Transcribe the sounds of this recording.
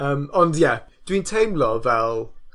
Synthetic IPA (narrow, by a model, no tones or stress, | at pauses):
əːmɔndjɛd̥wintʰejmlˠɔvɛlˠ